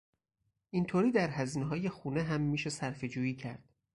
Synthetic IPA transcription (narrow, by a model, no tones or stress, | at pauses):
ʔint̪ʰoːɾiːd̪æɾɦæziːneɦɒːje̞xuːneɦæmːiːʃe̞sæɾfe̞d͡ʒuːjiːcʰæɾd̪̥